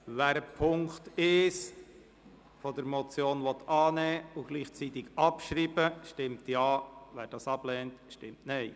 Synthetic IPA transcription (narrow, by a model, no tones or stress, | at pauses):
ʋæːɾəpʰʊŋktɪs | fɔd̥əɾmɔt͡sjoːnʋɔt̪ɑːnɛːʊɡ̥liːχt͡sit̪ɪɡɑpʃɾiːbəʃtɪmtjɑːʋɛːɾd̥ɑsɑb̥lɛːntʃtɪmtnɛɪ